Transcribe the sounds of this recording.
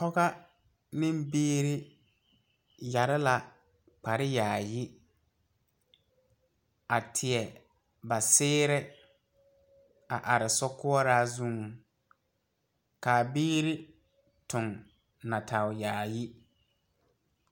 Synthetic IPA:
hɔ˦ɣa˦ | nɪ̃˦mbiː˦ɾɪ˦ | ja˨ɾɪ˦la˨ | k͡pa˨ɾɪ˦jaː˨jɪ˦ | a˨tʰɪ˨ɛ˨ | ba˨sɪː˦ɾɪ˦ | a˨ʔa˨ɾɪ˨sɔ˦kʊ˦ɔ˦ɾaː˦zu˦ŋ˨ | kaː˨biː˦ɾɪ˦ | tʊ˨ŋ | na˨tʰa˨wjaː˨jɪ˦

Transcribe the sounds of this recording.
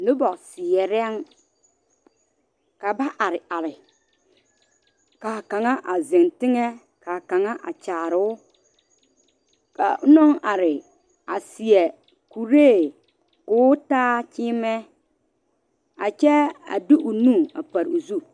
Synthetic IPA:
nɪ˦bɔ˨ksɪ˨jɛ˨ɾɛ˦ŋ | ka˨ba˦ʔa˨ɾɪ˨ʔa˨lɪ˨ | kaː˨ka˨ŋa˦ʔa˨zɪ˨ŋtɪ˦ŋɛ˦ | ka˨ka˨ŋa˦ʔa̰˨t͡ʃaː˨ɾɪ˨˦ʊ˦ | ka̰˨˦nɔ˦ŋa˨ɾɪ˨ | a˨sɪ˨ɛ˨ | ku˨ɾeː˦˨ | kʊː˦taː˦t͡ʃɪː˦mɛ˦ | a˨t͡ʃɛ˦a̰˨du˦ʔu˨nũ˦˨a̰˨pa˨ɾu˨zu˦

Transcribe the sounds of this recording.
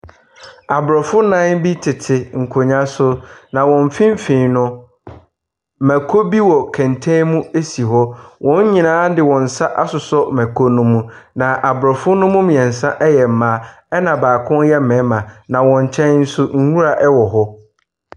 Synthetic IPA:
a˨bʊ˨ɾɔ˨fʊ˦nã˦ŋ˦bi˦tʰɪ˨tʰɪ˨ŋ̩˨kʰʊ˨ɲã˦sʊ˦nã˨wɔ̃˨m˨fĩ˦m̩˦fĩ˨nʊ̃˦˨ | mæ̃˨kʰo˦bi˦wɔ˨kʰæ̃˨ntʰɛ̃˦mũ˦e˦si˨ɦɔ˦wʔɔ̃˦ɲ˦ɲĩ˨nãː˦dɪ˨wɔ̃˨n̩˨sa˦ʔa˦sʊ˨sɔ˦mæ̃˨kʰo˦nʊ̃˦mũ˦nã˨ʔa˨bʊ˨ɾɔ˨fʊ˦nʊ̃˦mʊ̃˦mĩ˨ɛ̃˨n̩˨sã˦ʔɛ˦jɛ˨m̩˨mã˨˦ | ɛ˦nã˨baː˨kʰʊ̃˦njɛ˦mɛ̃˨˦mã˨nã˨wɔ̃˨ɲ˨t͡ɕʰɛ̃˦nn̩˦sʊ˦ŋ̩˦hũ˦ɾa˨ʔɛ˦wɔ˨ɦɔ˦

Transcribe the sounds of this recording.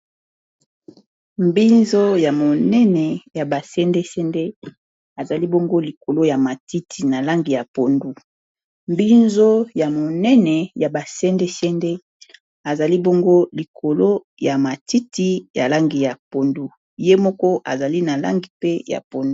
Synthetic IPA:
mbi˦nzo˦ja˨mo˨nɛ˦nɛ˨ja˨ba˨sɛ˦nde˦sɛ˦nde˦ | a˨za˨li˦bo˦ŋɡo˦li˨ko˨lo˦ja˨ma˨ti˦tʰi˨na˨la˦ŋɡi˨ja˨po˨ndu˦ | mbi˦nzo˦ja˨mo˨nɛ˦nɛ˨ja˨ba˨sɛ˦nde˦sɛ˦nde˦ | a˨za˨li˦bo˦ŋɡo˦li˨kʰo˨lo˦ | ja˨ma˨ti˦ti˦ja˨la˦ŋɡi˨ja˨po˨ndu˦ | je˦mɔ˦kɔ˦ʔa̰˨za˨li˦na˨la̰˦ŋɡi˨pe˦ja̰˨po˨ndu˦

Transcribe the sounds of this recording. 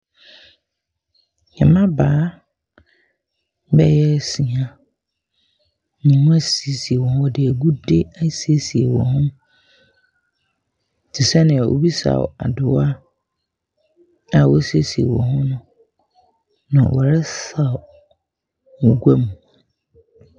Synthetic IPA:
ɲɛ̰̃˨mã˦baː˨˦ | bɛ˦jɛ˦˨si˨ã˨ | nĩ˨nʊ̃˦a˦si˨si˨e˨wɔ̃˨hʊ̃˦ɔ˦dɪ˨æ˨ɡu˦de˦æ˦se˦si˨e˨wɔ̰̃˨hʊ̃˦m | t͡ɕʰi˨sɛ˦nɪ̃˨a˨ʔo̰˦bi˦sa̰˨a˨dʊ˨wa˦ | a˨wɔ˦se˦si˨ḛ˨wɔ̰̃˨hʊ̃˦nʊ̃˦ | nã̰˨wʔɔ˨ɾɛ˦sa˦˨ | mũ˨ɡʷa˦mũ˨

